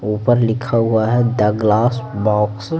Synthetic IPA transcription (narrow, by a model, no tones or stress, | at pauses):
uːpəɾlɪkʰaɦuaɦɛd̪ɐɡlaːsbɔːks